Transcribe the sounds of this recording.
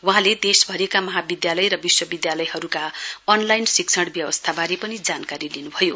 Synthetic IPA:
wuɦãled̪esbʱʌɾekamʌɦabid̪jalʌjrʌbiswʌbid̪jalʌjɦʌɾukaʌnlajnsik̚t͡sʰʌɽbjʌbʌst̪ʰabaɾepʌnid͡zankaɾilinubʱʌjo

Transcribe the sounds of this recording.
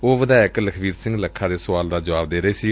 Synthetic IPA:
oːʋəd̪aːɪkləkʰbiːɾsɪ̃ŋɡləkʰːãːd̪eːsʊʋaːld̪aːd͡ʒəʋaːb̚d̪eːɾəeːsiː

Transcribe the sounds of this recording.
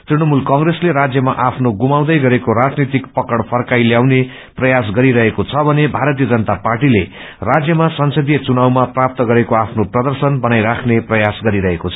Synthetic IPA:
t̪rinʌmulkʌŋresleɾad͡zjʌmaʔapʰnoɡumaw̃d̪ʌjɡʌɾekoɾad͡znit̪ikpʌkʌɽpʰʌrkajljawne | prʌjas̬ɡʌɾiɾʌɦekot͡sʰʌbʱʌnebʱaɾʌt̪̬ijʌd͡zʌnət̪aparʈile | rad͡zjʌmasʌnsʌd̪ijʌt͡sunawmaprap̚t̪ʌɡʌɾekoapʰnoprʌd̪ʌrsʌnbʌnajɾakʰneprʌjasɡʌɾiɾʌɦekot͡sʰʌ̥

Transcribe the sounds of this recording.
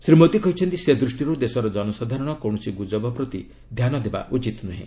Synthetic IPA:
sɾimot̪ikɔɦit͡ʃʰɔnt̪ised̪ɾusʈiɾud̪esɔɾɔd͡ʒɔnɔsad̪ʱaɾɔɽ̃ɔkɔwɽ̃ɔsiɡud͡ʒɔbɔpɾɔt̪i | d̪ʱjanɔd̪eba̰ʔut͡ʃit̪naɦḭ̃

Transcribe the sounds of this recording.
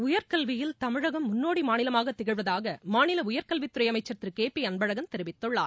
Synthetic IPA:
ʊjɐɾkɐlʋɪjɪlt̪ɐmɪɻɐɣɐmːʊnːoːɽimaːnɪlɐmaːɣɐt̪ːɛɣɪɻʋɐðaːɣɐmaːnɪlɐʊjɐɾkɐlʋit̪ːʊɾɐjɐmɐɪt͡ʃːɐt̪ːɾɯkeːpiɐnbɐɻɐɣɐmt̪ɛɾɯʋɪt̪ːɔɭːaː

